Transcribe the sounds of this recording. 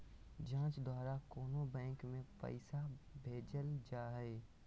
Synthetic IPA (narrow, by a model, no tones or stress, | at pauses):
d͡ʒãːt͡ʃd̪ɔːɾakoːnobɛ̃ːŋkmẽpə̰ɪsabʱeːd͡ʒəld͡ʒaːɦɛː